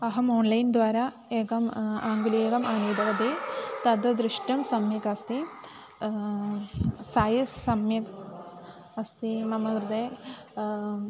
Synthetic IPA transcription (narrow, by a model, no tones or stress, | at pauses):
ɐɦɐmoːnlɐjnd̪ʋaːɾɐ | eːkɐmaːŋɡulieːɡɐmaːniːd̪ɐʋɐd̪it̪ɐd̪ɐd̪ɾiʂʈɐmsɐmjɐkɐst̪i | saːjisːɐmjɐk | ɐst̪imɐmɐɡɾɨd̪eː